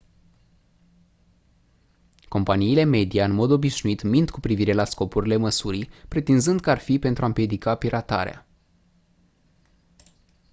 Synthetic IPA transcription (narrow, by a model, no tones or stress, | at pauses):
ko̞mpaniːle̞me̞d̪ijaɨnmo̞d̪o̞biʃnuit̪mint̪kupɾiviɾe̞lasko̞puɾile̞məsuɾipɾe̞t̪inzɨnd̪kəarfipe̞nt̪ɾuampje̞d̪ikapiɾat̪a̰ɾḛa̰